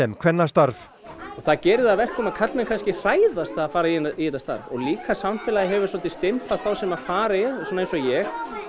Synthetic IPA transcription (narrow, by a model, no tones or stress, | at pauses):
ɛmkʰv̥ɛnːast̪aɾv | ɔɣθacɛːɾɪðaðvɛr̥kɔmaðkʰat̪lmɛnkʰanscɪr̥aːjðast̪aːfaːɾaiiɛt̪ast̪a̰ɾvɔ̰ɣliːkasamfɛlajɪɦɛvʏɾ̥sɔlt̪ɪst̪ɪmpaðθawsɛmaðfaːɾajɛðsɔnaensɔjɛx